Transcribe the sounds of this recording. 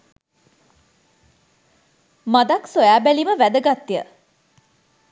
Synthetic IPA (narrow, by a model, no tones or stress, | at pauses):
mad̪aksojæːbæliməʋæd̪əɡat̪ːijə̰